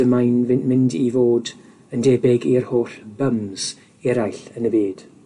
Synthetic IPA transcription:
əmajnvɪmɪndivoːd | əndeːbɪɡirhoːrbəmz̥ | ɛɾajɬənəbeːd̥

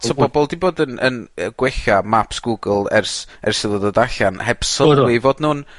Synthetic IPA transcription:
sʰobɔbɔlˠdiboːdənʔə̰nəɡ̥wɛɬamapsɡ̥uɡəlˠɛrsɛ̰rsɪðˠəðədaɬanhɛb̥səwɪvoːdnuːn

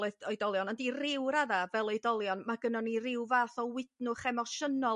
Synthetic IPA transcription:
lˠɨθɔjdɔlˠjɔnɔndirɪwɾaðavɛlˠojdɔlˠjɔnmaɡənɔnirɪwvaːθɔwɪdnʊχɛmɔʃənɔ

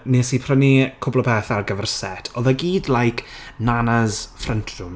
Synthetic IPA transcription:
neːsipʰrənikʰʊblɔpʰɛːθarɡəvɛrsɛ̰tʰɔðaɡiːdlajkʰnanazfrəntʰrʊm

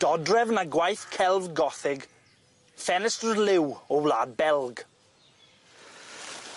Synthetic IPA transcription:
d̥ɔdrɛvnaɡwajθkʰɛlˠvɡɔθɪɡ | fɛnɛstəlɪwɔwlaːbɛlˠɡ

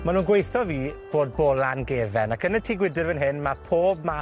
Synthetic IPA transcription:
manũːnɡwejθɔviːb̥oːd̚bɔlˠanɡeːvɛnakʰənətʰiːɡwɪdɨrvənɦɨnmapʰoːb̚ma

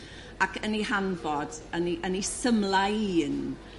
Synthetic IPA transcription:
akʰənihanbɔdəniʔənisəmlˠaiːn

